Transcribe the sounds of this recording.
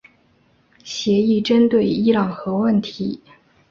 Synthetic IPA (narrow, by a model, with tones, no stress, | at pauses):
ɕjɛ˧˥i˥˩ʈ͡ʂə˥nt̪we˥˩ɪi˥lɑ˨˩ŋxɤ˧˥wə˥˩nt̪ʰi˧˥